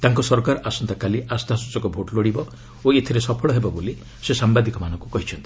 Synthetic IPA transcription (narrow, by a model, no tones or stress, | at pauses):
t̪aŋkɔsɔɾkaɾɔʔasɔnt̪akaliʔast̪asut͡ʃɔkɔbʱoʈloɽibɔ | oet̪ʰiɾesɔpʰɔɭɔɦebɔboli | sesambad̪ikɔmanɔŋkukɔɦit͡ʃʰɔnt̪i̥